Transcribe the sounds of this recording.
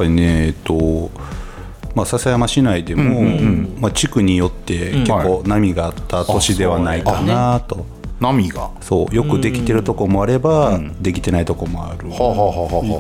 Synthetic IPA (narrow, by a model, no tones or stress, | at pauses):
japːaɾʲine̞ːt̪ːo̞ | masasajamaɕinaid̪e̞mo̞ɯ̃ɴmat͡ɕikɯ̟ɲ̟ijo̞t̪ːe̞kekkːo̞ːnamʲiɡaːt̪ʰːat̪o̞ɕid̪e̞β̞anaikanat̪o̞ | namʲiɡa̰so̞̰ːjo̞kɯ̟d̪e̞kʲi̥t̪e̞ɾɯ̟t̪o̞ko̞mo̞aɾe̞bad̪e̞kʲi̥t̪e̞nait̪o̞ko̞mo̞a̰ɾɯ̟haɦaɦaha